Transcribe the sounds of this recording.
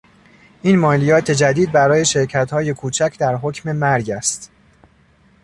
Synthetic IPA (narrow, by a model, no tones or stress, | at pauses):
ʔiːnmɒːlijɒːt̪ʰe̞d͡ʒæd̪iːd̪̚bæɾɒːje̞ʃe̞ɾcʰæt̪hɒːje̞kʰuːt͡ʃʰæcʰd̪æɾɦocʰme̞mæɾɟæst̪